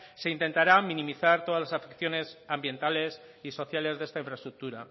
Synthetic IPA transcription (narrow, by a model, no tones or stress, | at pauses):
se̞int̪e̞nt̪aɾamĩnĩmiθaɾt̪o̞ðazlasafekθjo̞ne̞sambje̞nt̪ale̞s | iso̞θjale̞zðee̞st̪aiɱfɾaest̪ɾuk̚t̪uɾa